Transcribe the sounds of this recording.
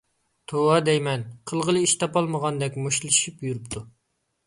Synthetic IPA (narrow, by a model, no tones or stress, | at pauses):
t̪ʰowɑd̪ɛjmɛnqʰəlˠʁəlˠɨiʃt̪ʰɑpɑlˠməʁɑnd̪ɛkʲmoʃlˠɨʃipjuɾɨpt̪ʰu